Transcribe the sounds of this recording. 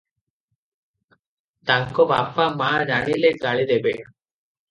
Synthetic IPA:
t̪aŋkɔbapamaːd͡ʒanileɡaɭid̪ebena

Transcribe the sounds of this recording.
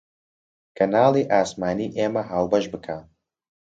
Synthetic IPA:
kʰɐnaːlˠiːʔaːsmaːniːʔeːmɐɦaːwbɐʃbɨkʰaː

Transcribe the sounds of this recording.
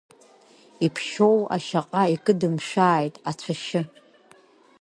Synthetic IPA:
ipʰʃo̞wa̰ʃaqʼaikʼɨdɨmʂʷaːjtʼat͡ɕʷʰaʃɪ

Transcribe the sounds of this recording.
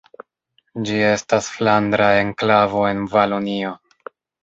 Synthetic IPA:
d͡ʒie̞stasflandɾae̞nklavo̞e̞nvalonio̞

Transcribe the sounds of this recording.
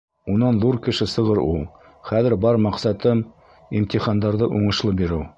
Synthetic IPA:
unɑnðuɾkɘ̆ʃɘsɤ̆ʁɤɾulˠ | χæðɘ̆ɾbɑɾmɑqsɑt̪ɤm | imt̪iχɑnd̪ɑɾðɤʔuɴɤ̆ʃlˠɤbiɾɘw

